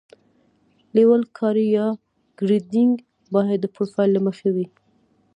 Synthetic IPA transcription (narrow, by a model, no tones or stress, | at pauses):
lewalkʰɑɾijɑ | ɡ̥ɾid̪ɪŋɡ | bɑjad̪ːəpofɑjlːaməxewi